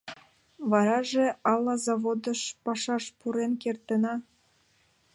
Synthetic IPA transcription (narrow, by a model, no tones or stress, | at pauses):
βɑɾɑʒeɑlːɑzɑβod̪əʃpɑʃɑʃpuɾenkert̪ə̆nɑ